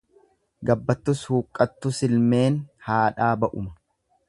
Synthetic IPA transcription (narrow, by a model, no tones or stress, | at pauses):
ɡɐbːɐt̪ːʊshuːkʼːɐt̪ːʊsɪlme̞ːnhaːᶑaːbɐʔʊmɐ̥